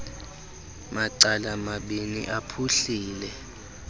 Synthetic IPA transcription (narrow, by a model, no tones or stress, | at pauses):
maǀalamaɓinḭʔapʰuɬiːlɛ